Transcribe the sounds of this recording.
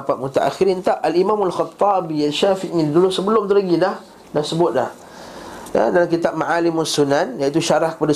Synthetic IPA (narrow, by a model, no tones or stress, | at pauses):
pat̪̚mut̪a̰ʔa̰xiɾint̪aʔalimãmalxɑt̪ˤːɑbijalʃafiʔɲĩdulʊsəbəlʊmt̪əlaɡilah | dahsəbʊt̪̚la̰h | a̰dalamkit̪ap̚maʕalɪmasunãnjait̪uʃaɾahkə̥pada